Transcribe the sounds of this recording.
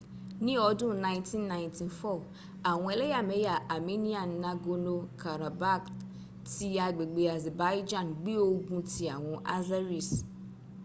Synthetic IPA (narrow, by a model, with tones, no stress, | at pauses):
nĩ˦ɔ˨˦dʊ̃˦˨nã˨ɪ̃˦ntĩ˦nːã˨ɪ̃˨ntʰi˨fɔ˦˨ | a˨wʊ̃˨˦ɛ˨le˦ja˨me˨˦ja˨ʔa˨me˦ni˦a˨nː˨ã˦ɡo˦no˦kʰa˨ɾa˨ba˦k | ti˦a˨ɡ͡be˨ɡ͡be˨a˨zɛ˨ba˨˦jd͡ʒã˦˨nɡ͡bi˦o˦ɡũ˦ti˨a˨wʊ̃˦ʔa̰˦za˦ɾi˨s